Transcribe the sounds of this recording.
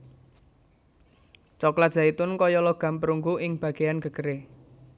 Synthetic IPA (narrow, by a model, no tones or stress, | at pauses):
t͡ʃɔkladʒ̥a̤it̪ʊnkɔjɔlɔɡ̥a̤mpəɾuŋɡuʔɪŋb̥a̤ɡ̥e̤janɡ̥ə̤ɡ̥əɾe